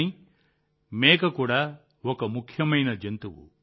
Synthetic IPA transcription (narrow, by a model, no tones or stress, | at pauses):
i | meːkɐkuːɽa | ɔkɐmukʰjɐmɐjnɐd͡ʒent̪uʋṵ